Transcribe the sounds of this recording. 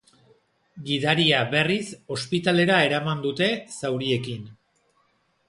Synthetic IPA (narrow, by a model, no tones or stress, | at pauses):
ɡiðaɾiaβe̞riso̞spit̪ale̞ɾae̞ɾamand̪ut̪e̞sawɾie̞kin